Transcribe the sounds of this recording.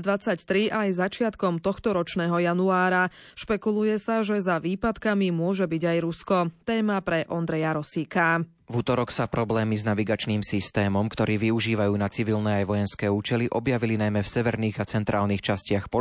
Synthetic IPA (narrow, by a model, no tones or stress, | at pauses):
d̪ʋat͡sact̪ɾiʔajzat͡ʃɪat̪kɔmt̪ɔxt̪ɔɾɔt͡ʃnɛːɦɔjanuaːɾa | ʃpɛkulujɛsaʒɛzaʋiːpat̪kamimʊɔʒɛbiɟajɾuskɔt̪ɛːmapɾɛʔɔnd̪ɾɛjaɾɔsiːka | vut̪ɔɾɔksapɾɔblɛːmiznaʋiɡat͡ʃniːmsist̪ɛːmɔmkt̪ɔɾiːʋiuʒiːʋajuːnat͡siʋilnɛːajʋɔjɛnskɛːuːt͡ʃɛliʔɔbjaʋilinajmɛfsɛʋɛɾniːɣat͡sɛnt̪ɾʔaːlniːxt͡ʃascɪaxpɔ